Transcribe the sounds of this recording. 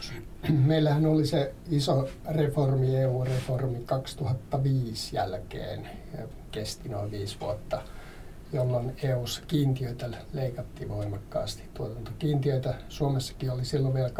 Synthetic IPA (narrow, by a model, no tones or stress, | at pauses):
meilːæhænoliseisoreformieːuːreformikɑkst̪uhɑt̪ːɑʋiːsjæ̰lkḛːn | kest̪inoiʋʋiːsʋṵot̪ːɑ | jolːoneːuːsːɑ̥kiːnt̪iøit̪æleikɑt̪ːiʋoimɑkːɑ̰ːst̪i̥t̪uot̪ɑnt̪ɑkiːnt̪iøit̪æsuomesːɑ̥kiolisilːoʋʋiel